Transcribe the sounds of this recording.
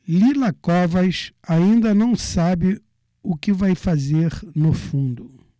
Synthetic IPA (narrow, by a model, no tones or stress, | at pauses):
lilɐkɔvɐʃaĩnd̪ɐnɐ̃w̃sabɪ | ʊkɪvajfazeɾnʊfũnd̪ʊ